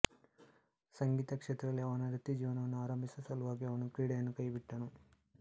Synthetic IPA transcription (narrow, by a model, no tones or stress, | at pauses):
sɐŋɡiːt̪ɐkʂeːt̪ɾɐɐliɐʋɐnɐɾit̪ːid͡ʒiːʋɐnɐʋɐnːuaːɾɐmbʱisɐsɐluʋaːɡiɐʋɐnukɾiːɽɐjɐnːukɐjbiʈːɐnu